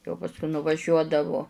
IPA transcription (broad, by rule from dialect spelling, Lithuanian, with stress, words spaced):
jɛʊ pɐsˈkʊɪ nʊʋɐˈʒʲuɔdɐʋʊ